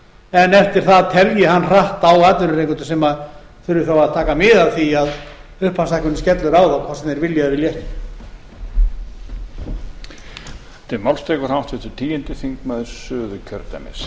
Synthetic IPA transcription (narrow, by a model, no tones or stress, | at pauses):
ɛnɛft̪ɪɾ̥θaðt̪ʰɛljɪɦanːr̥aht̪awaːt̪lʏɾʏrejŋkʏnt̪ʏ̥sɛmað | θʏɾɪθawaðt̪ʰaːkamɪðaθiaðʏhpasahkʏnːʏscɛt̪lʏɾaːwðakʰvasɛmnɛɾvɪljavɪljɛht̪ | t̪ɪmawlst̪ɛːkʏɾhawht̪vɪt̪ʰɪt̪ʰiːjɪnt̪ɪθiŋkmaðɪsʏːðʏcʰœɾt̪ɛ̰mɪ̰s